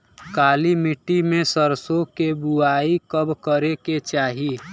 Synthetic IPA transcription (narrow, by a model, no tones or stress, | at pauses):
kaːlimiʈːimẽsəɾsokebuaːikəbkəɾeket͡ʃaːɦi